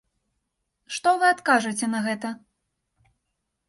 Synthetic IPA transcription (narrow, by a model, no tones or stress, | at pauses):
ʂt̪ɔvɨat̪kaʐɐt͡sʲɛnɐɣɛt̪ɐ